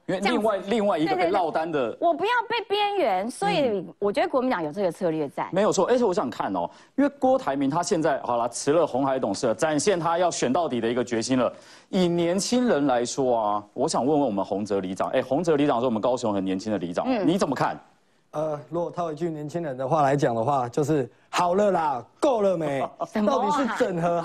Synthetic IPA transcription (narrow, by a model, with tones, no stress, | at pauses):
i˥nwe˧i˥˧ŋwa˥˧ɪli˥˧ŋwa˥˩ɪi˧ɡɡə˧e˥˧lɑ˥˩ʊt̪a˦nd̪ə˨wɔ˨˩pu˧˦jɑ˥˧ʊpe˥˩ɪpjɛ˥nɥɛ˧˥nswɔ˧˥i˨˩wɔ˨˩t͡ɕɥɛ˧˥d̪ə˧kwmi˧˥t̪ɑ˨˥ŋjo˨˩ʊʈ͡ʂɤ˥˩ɡə˨˩t͡sʰɤ˥˧lɥɛ˥˩t͡sa̰˥˩˦me˧˥ɪjo˨˩ʂʰɔ˥˧e˥˧sʰwɔ˧˦ɕjɑ˨˩ŋkʰa˥˩nɔ̰˩ | i˥nwe˥˩kwɔ˥t̪ʰa˧˥ɪmi˧˥ŋt̪ʰa˥ɕjɛ˥˧nt͡sa˥˩ɪxɑ̰˨˩ʊlɐ˦ʈ͡ʂʰɻ̩˧˥lə˧xʊ˧˥ŋxa˧˥ɪt̪ʊ˨˩ŋʂɻ̩˥˩lə˩ʈ͡ʂa˨˩nɕjɛ˥˩nt̪ʰa˦˥jɑ˥˩ʊɕɥɛ˨˩nt̪ɑ˥˩ʊt̪i˨˩d̪ə˦i˧˥ɡə˧t͡ɕɥɛ˧˥ɕi˥nlə˨ | i˨˩njɛ˧˥nt͡ɕʰi˥ŋɻə˧˦˥nla˧˦ɪʂwɔ˥ɐ˨wɔ˧˥ɕjɑ˨˩ŋwə˥˧nwə˥˩wɔ˨˩mə˧˦nxʊ˧˥ŋt͡sɤ˧˥li˧˥ʈ͡ʂɑ˨˩˦ŋʔe˥˩ɪxʊ˧˥ŋt͡sɤ˧˥li˧˥ɑ˨ŋʂ̩˥˩˨wmə˦kɑ˥ʊɕʊ˧˥ŋxə˨˩njɛ˧˥nt͡ɕʰi˥ŋd̪ə˨li˧˥ʈ͡ʂɑ̰˨˩ŋni˨˧˥t͡sə˨˩mə˦kʰa̰˥˩n | ə˨˩lwɔ˥˩t̪ʰa˥˩i˨˦˩t͡ɕy˥˩njɛ˧˦nt͡ɕʰi˦ŋɻə˧˦nd̪ə˧xwa˥˩la˧˦ɪt͡ɕjɑ˨˩ŋd̪ə˦xwa˥˧t͡ɕjo˥˧ʊʂɻ̩˥˩ | hɑ˨˩ʊlə˨˦la˨ko˥˧ʊlə˨˩me˨˦ɪɑ˥˩ʊt̪i˨˩ɻ̩˥˨t͡sə˨˩nxɤə˧˦